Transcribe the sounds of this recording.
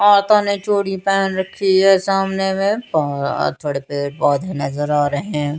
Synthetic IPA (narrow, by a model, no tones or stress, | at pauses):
aːɾt̪anet͡ʃoːɽipɛːnɾɐkʰːiɛːsaːmnemẽa̰t̪ʰoːɽepebaːd̪inɐzəɾaːɾɐɦɛ̃ː